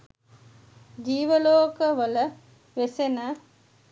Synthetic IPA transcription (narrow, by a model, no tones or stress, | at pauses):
d͡ʒiːʋəloːkəʋələ | ʋesenə